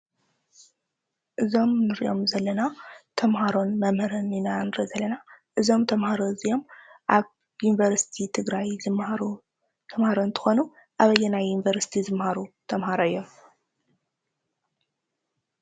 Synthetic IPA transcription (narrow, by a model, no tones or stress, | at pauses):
ʔɨzo̞mnɨɾiʔo̞mzɐlːɐnat̪ʰɐmɦaɾo̞nmɐmhɐɾɐninanɨɾizɐlːɐnaʔɨzo̞mt̪ʰɐmhaɾoɨzio̞mʔaβ | junivɐɾsi̥t̪ʰit̪ʰɨɡɾajzɨɾu | t̪ʰɐmhaɾont̪ʰɨ̥xo̞nu | ʔaβɐjːɛnajːunivɐɾsi̥t̪ʰizɨmhaɾut̪ʰɐmhaɾoɨjːo̞m